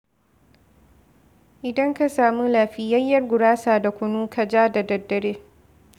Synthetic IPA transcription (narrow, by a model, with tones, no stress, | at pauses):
ʔɪ˨dɐ˦ŋka˨saː˨mu˦laː˨ɸiː˦jɐ˦jːɐ˦rɡʷʊ˨ɽaː˦saː˨da˨kʷʊ˨nuː˦kʰa˨d͡ʒaː˦da˨dɐ˨dːɐ˨ɽeː˦